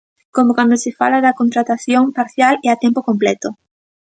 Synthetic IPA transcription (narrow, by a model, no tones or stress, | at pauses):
komokwand̪osɪfa̰laðɐkont̪ɾat̪aθjoŋpaɾθjaleat̪ɛmpokomplɛt̪o